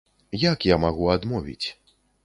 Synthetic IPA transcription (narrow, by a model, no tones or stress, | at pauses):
jakjamaɣuad̪mɔvʲḭt͡sʲ